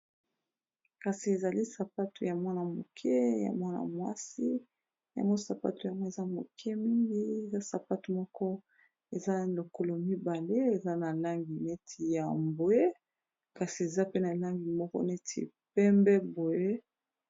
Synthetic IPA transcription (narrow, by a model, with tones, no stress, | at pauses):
ka˨si˨e˨za˨li˦sa˨pa˦tu˨ja˨mwa˦na˨mo̰˨kʰɛ˦ja̰˨mwa˦na̰˨mwa̰˦si˦ | ja̰˨ŋɡo˦sa˨pa̰˦tu˨ja˨ŋɡo˦e˨za˦mo̰˨kʰɛ˦mi˦ŋɡi˦e˨za˦sa˨pa˦tu˨mɔ˦kɔ˦ | e˨za˦lo˨ko˦lo˨mi˦ba˨le˦e˨za˦na˨la˦ŋɡi˨ne˦tʰi˨ja˨mbo˨e˦ | ka˨si˨e˨za˦pe˦na˨la˦ŋɡi˨mɔ˦kɔ̰˦ne˦tʰḭ˨ | pɛ˦mbɛ˦bo˨je˦